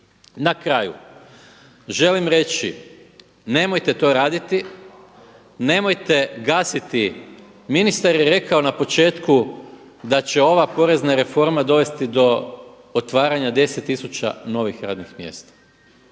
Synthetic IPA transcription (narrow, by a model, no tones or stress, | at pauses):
nakɾaːjṵ | ʒe̞limɾe̞t͡ɕḭ | ne̞mo̞jt̪e̞t̪o̞ːɾaːd̪it̪i | ne̞mo̞jt̪e̞ɡaːsit̪i | minist̪aɾjeɾe̞kao̞napo̞t͡ʃe̞ːt̪ku | d̪at͡ɕe̞o̞ʋapo̞ɾe̞znaɾe̞fo̞ɾmad̪o̞ʋe̞st̪id̪o̞ | ot̪ʋaːɾaɲad̪e̞set̪ːisut͡ɕa̰no̞ʋixɾa̰ːd̪nixmjḛst̪ḁ